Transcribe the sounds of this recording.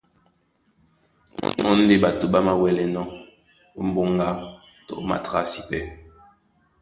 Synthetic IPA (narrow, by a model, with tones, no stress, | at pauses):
ŋɔ̰˦n̩˦de˦ɓa˨to˨ɓa˦ma˨wɛ˨lɛ˦nɔ˦ | m̩˦bo˦ŋɡa˦ | tɔ̰˨ʔma̰˨ta˦si˨pɛ˦